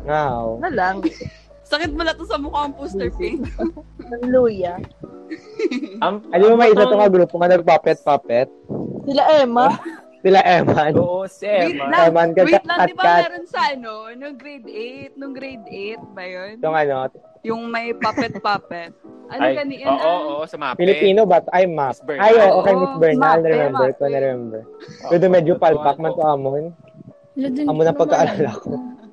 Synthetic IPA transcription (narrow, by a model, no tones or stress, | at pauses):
wawnɐlɐŋ | sɐkɪt̪̚mʊlɐt̪osɐmʊkaɐŋpust̪ɛpi | nɐŋluːjɐ | ɐnomɐmɐʔɪsɐt̪oŋɐɡɾuːpoŋɐnɐɡ̚paːpɛt̪̚paːpɛt̪̚sɪlaʔɛːmɐ | sɪlaʔɛman | mlaɛːmankɐkɐd̪̚bɐkaɾonsɐʔɐnonʊŋɡɾejd̪ejt̪̚nʊŋɡɾejd̪et̪̚bɐjonj̪ʊŋʔɐno̞ | jʊŋmɐjpaɛt̪papɛt̪ɐnjɐnoʔoɐpɪlɪpiːnobɐt̪ʔajmap̚ajʔoːʔoːkɐjmɪsbɛɹnalnɛɾɛmɛmbɛɹkonɛɾɛmɛmbɛɹwɛd̪omɛd͡ʒopalpak̚mɐnt̪oʔamon | ɐmonɐŋpɐɡkɐʔɐɾaːlaɐko